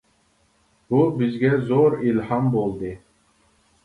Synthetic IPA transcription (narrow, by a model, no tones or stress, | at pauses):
bubizɡʲæzoɾilhɑmbolˠd̪ɨ